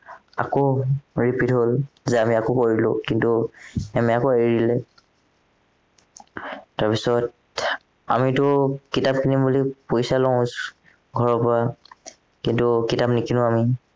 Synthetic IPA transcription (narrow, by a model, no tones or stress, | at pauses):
a̰koɹipitɦolzɛamiakokoɹilʊkintuɛmɛakoeɹilɛ | taɹpisɔt̚ | a̰mitʊkitap̚kinimbulipojsalɔ̃s | ɡʱɔɹɔpɔa | kintukitapnikinʊ̃ami